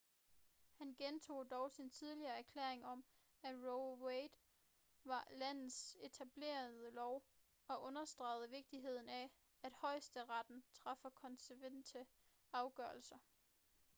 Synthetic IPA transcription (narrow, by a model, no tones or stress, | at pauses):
hænɡ̥ent͡sʰo̝̰ːd̥ɒʊsint͡sʰið̞ˠliɐːæɐkʰlḛɐeŋɒ̽m | æ̥ʁoʊweɪd̥ | ʋɑ̈læn̰ð̩ˠse̝t͡sʰæb̥le̝̰ːɐð̩ˠəlɒʊ | ɒ̽ʔɔ̽nɐsd̥ʁɑ̈ɪð̩ˠəʋe̝ɡ̥̚d̥iɦe̝ð̞̰ˠn̩æ | æd̥hɒ̽ɪ̰sd̥əʁɑd̥n̩t͡sʰʁɑ̈fɒkʰɒ̽nseʋend̥ʰə | ɑ̈ʊɡ̥ɶɐlsɐ